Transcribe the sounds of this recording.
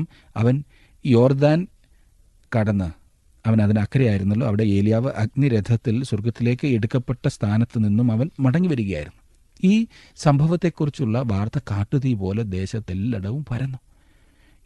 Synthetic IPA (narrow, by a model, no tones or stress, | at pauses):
m | ɐ̰ʋɐn | jo̞ːrd̪aːn | kɐɽɐnːɨ | ɐʋɐnɐðinɐkːɐɾɐjaːjiɾunːɐlːo̞ːɐʋiɽe̞e̞ːlijaːʋɨʔɐɡniɾed̪ʱːɐt̪ːilsurɡɐt̪ːile̞ːkːɨeɽukːɐpːe̞ʈːɐst̪ʰaːnɐt̪ːɨninːumɐʋɐnmɐɽɐŋːiʋɐɾuɣɐja̰ːjiɾunːu | iː | sɐmbʱɐʋɐt̪ːe̞kːurit͡ɕːuɭːɐʋaːrt̪ɐkaːʈːuðijpo̞ːled̪e̞ːɕɐt̪ːelːɐɽɐʋumpɐɾɐnːu